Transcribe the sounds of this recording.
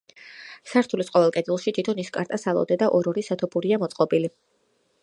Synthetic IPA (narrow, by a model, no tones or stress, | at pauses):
saɾt̪ʰulisqʼɔvɛlˠkʼɛd̪ilˠʃit̪ʰit̪ʰɔniskʼaɾt̪ʼasalˠɔ̰d̪ɛd̪aʔɔɾɔɾisat̪ʰɔpʰuɾiamɔt̪sʼqʼɔbili